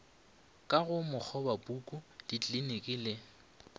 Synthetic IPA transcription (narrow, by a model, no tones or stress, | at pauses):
kʼaɣʊmʊk͡xʰɔbabukʼʊd̥it͡ɬʼlinekʼɪːlɪ